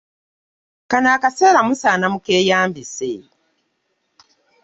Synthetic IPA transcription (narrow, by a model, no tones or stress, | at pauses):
kanaːkase̞ːɾamusaːnamukeːjaːmbisḛ